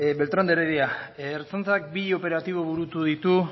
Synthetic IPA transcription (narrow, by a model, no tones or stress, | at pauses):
be̞lt̪ɾond̪eɾeðiaːɾt͡sont͡sak̚biʎo̞pe̞ɾat̪iβ̞o̞βuɾut̪uðit̪u